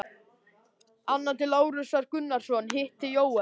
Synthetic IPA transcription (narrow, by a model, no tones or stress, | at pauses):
anːat̪ɪloːwɾʏsvaɾ̥kʏnːaɾ̥sɔnɦɪht̪ɪjoːwɛ